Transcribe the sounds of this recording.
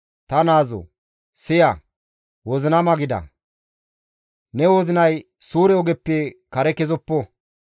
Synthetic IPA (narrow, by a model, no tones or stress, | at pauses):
t̪ɐnaːzɔ̰ | sɪja | wɔzɪnɐmɐɡɪd̪ɐ̰ | nɛwozɪnɐj | suːɾɛɔɡɛpːekɐɾɛkɛzɔpːɔ